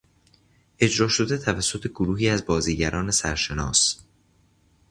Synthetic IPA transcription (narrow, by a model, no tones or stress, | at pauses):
ʔe̞d͡ʒɾɒːʃo̞d̪et̪ʰævæsːo̞t̪ʰe̞ɡoɾuːɦiːæzbɒːziːɟæɾʔɒːne̞sæɾʃe̞nɒ̰ːs